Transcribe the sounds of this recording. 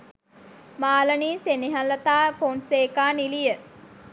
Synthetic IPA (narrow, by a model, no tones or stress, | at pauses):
maːləniːseniɦalət̪aːponseːkaːnilijə